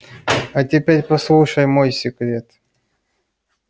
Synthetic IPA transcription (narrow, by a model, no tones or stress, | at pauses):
ɐtʲɪpʲeɾʲpɐslˠuʂəjmojsʲɪkɾʲet̪